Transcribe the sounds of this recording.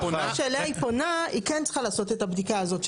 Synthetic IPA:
ʃeːlaiponaikent͡sχalaːso̞te̞tabdikaːzo̞t

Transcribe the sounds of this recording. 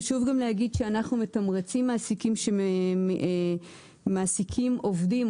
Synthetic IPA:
ʃuvɡamlehaɡid̪ʃeanaχnumetamʁet͡simːaːsikimʃe | maːsikʰimʔo̞vdim

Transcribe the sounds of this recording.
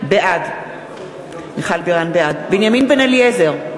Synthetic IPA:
beʔad | niχalbiʁanbeadbinjaminbenaliezeʁ

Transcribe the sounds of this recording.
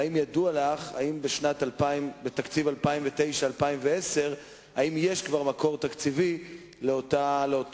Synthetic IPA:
imjadualaχa̰imbeʃnat̪alpaimbe̞t̪akt͡sivalpaimvet̪e̞jʃaːlpaimvee̞se̞ʁ | aimje̞ʃkvaʁmako̞ʁt̪akt͡sivi | leot̪aleo

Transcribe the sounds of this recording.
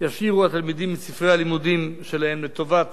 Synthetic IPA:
jaʃiʁuat̪almid̪imːisifʁejalimud̪imʃelahemlet̪o̞vat̪

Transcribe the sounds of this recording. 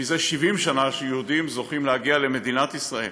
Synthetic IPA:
izeʃivimʃanaʃejeud̪imzo̞χimlehaɡiale̞me̞d̪inat̪isʁaḛl

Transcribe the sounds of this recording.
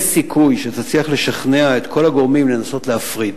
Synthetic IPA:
sikʰujʃet̪at͡sliaχle̞ʃaχne̞ae̞t̪kʰo̞laɡo̞ʁmimle̞naso̞tleafʁid

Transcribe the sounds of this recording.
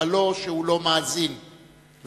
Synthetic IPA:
alɔʃɛulɔmazini | v

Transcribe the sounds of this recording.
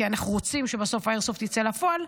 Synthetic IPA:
ianaχnuʁot͡simʃebaso̞faeʁsoft̪it͡selafoal

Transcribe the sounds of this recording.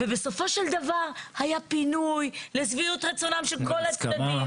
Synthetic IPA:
vebe̞so̞fo̞ʃeld̪avaʁhajapinujlezviut̪ʁet͡sonamʃelko̞lat͡saim

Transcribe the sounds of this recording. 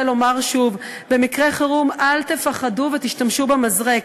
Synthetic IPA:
lo̞maʁʃuv | be̞mikʁeχaʁumalt̪e̞faχaduvet̪iʃtamʃubemazʁek

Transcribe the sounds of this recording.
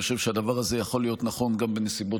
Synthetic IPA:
oʃe̞v̥ʃead̪avaʁaze̞jaχo̞lijo̞tnaχo̞nɡambenesibo̞

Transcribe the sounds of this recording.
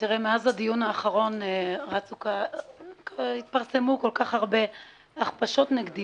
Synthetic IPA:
tiʁemeazhad̪ijunhaːχaʁo̞nʁat͡sukakhit̪̚paʁse̞muko̞lkaχaʁbe̞ | aχpaʃo̞t̪neɡd̪i

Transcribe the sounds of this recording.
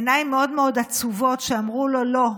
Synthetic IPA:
najimeodmeo̞d̪at͡suvo̞tʃeamʁulo̞lo̞

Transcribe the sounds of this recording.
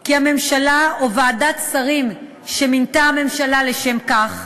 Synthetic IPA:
kiame̞mʃalaovaːdat̪saʁim | ʃemintaame̞mʃalaleʃe̞mkaχ

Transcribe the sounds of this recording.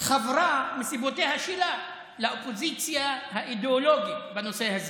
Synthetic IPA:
χavɾamisibotehaʃila | laopozit͡siahaʔideoloɡibanoseahaz

